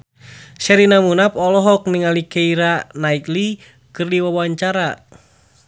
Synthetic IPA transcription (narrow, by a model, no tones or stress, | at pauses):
sɛɾinamunapɔlɔɦɔk̚niŋalikeiɾanait̪li | kɨrdiwawaɲt͡ʃaɾa